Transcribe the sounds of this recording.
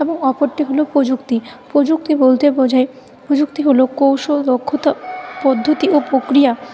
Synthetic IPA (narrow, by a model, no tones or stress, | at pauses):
eboŋɔpoɾʈiɦolopɾod͡ʑukt̪ipɾod͡ʑuk̚t̪ibolt̪ed͡ʑʱae | pɾod͡ʑukt̪iɦolokowʃolokʰːot̪apɔd̪ʱːot̪iʔopɾokɾija